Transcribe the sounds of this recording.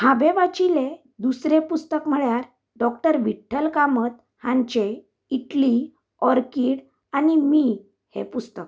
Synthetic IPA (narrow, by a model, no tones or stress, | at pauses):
habeʋat͡ɕilẽ | d̪usɾepust̪əkm̤əɭjaɾ | ɖɔkʈəɾʋiʈʰːəlkamət̪̚ | hãɲt͡ɕe | iʈli | ɔɾkiːɽ | animi | hḛpust̪ək̚